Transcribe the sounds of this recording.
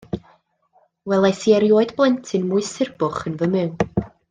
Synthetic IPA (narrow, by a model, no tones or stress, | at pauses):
wɛlˠajsiɛɾjoːɨdblˠɛntʰɨnmuɨsɪrbʊχənvəmɨwn